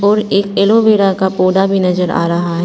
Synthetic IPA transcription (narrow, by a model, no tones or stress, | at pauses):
ɔːɾeːkeːloʋeːɽakapoːɖabʱinɐzəɾa̰ːɾɐɦaɦɛ